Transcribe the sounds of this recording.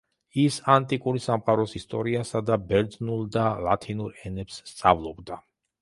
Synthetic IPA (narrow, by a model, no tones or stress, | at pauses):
isant̪ʼikʼuɾisamqʼaɾɔsist̪ʼɔɾiasad̪abɛɾd̪znulˠd̪alat̪ʰinuɾɛnɛpsːt̪sʼa̰vlˠɔbd̪a